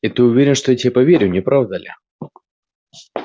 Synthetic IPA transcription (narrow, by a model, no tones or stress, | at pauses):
ɪt̪ɨʊvʲeɾʲɪnʂt̪ojɛtʲɪpɐvʲeɾʲʊnʲɪpɾavd̪əlʲɪ̰